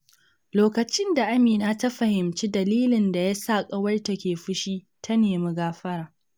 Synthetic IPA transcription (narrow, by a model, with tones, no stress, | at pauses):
loː˦kɐ˨t͡ʃɪ˦nda˨ʔa˦miː˨naː˦ta˦ɸɐ˨hɪ˨mt͡ʃiː˦dɐ˨liː˦lɪ˨nda˨jaː˦saː˦˨kʼɐ˦wɐ˦rta˨kʲeː˨ɸɪ˦ʃiː˦ | tʰa˦neː˨mu˦ɡaː˦ɸɐ˦ɾaː˨